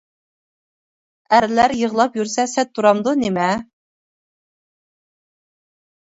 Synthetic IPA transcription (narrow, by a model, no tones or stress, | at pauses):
æɾlæɾjəʁlˠɑpjyɾsɛsɛt̪ʰːuɾɑmd̪unemɛ